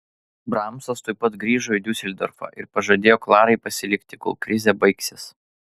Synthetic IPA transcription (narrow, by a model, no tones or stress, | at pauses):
bɾɑˑmsɐst̪oːɪpːɐt̪ɡɾʲiːʒoːid̪ʲʊsʲɛlʲd̪ʲɔ̰ɾfɑ̰ʔɪɾpɐʒɐd̪ʲeːjoːklˠɑːɾɐɪpɐsʲɪlʲɪkʲt̪ʲɪkɔ̰lˠkɾʲɪzʲɛbɐɪksʲɪs